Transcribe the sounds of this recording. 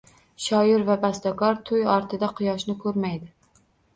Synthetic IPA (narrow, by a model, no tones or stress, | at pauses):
ʃɒjɪɾvabast̪akɒɾt̪ʰʊjɒɾt̪ʰɪd̪aqʰɨjɒʃnɪkʰɵɾmajd̪ɪ